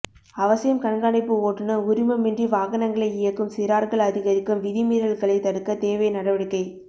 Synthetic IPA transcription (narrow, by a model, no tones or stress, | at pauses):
ɐʋɐsɐjɐmkɐɳɡɐɳɐɪpːɯoːʈːɯnɯʊɾɪmɐmɛndriʋaːɣɐnɐŋɡɐɭɐɪɪjɐkːɯmsɪɾaːɾɣɐɭɐðɪɣɐɾɪkːɯmʋɪðɪmiːɾɐɭɣɐɭɐɪt̪ɐɽɯkːɐt̪eːʋɐjnɐɽɐʋɐɽɪkːɐɪ